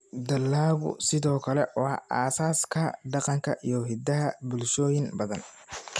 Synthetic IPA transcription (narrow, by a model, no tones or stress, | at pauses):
d̪ɐlːaːɣʊ̰sɪðɔːkʰɐlɛwɑa̰ːsaːskʰɐɖɑqɑŋkʰɐʔijɔɦɪd̪ɐɦɐbʊlʃɔːjɪnbɐðɐn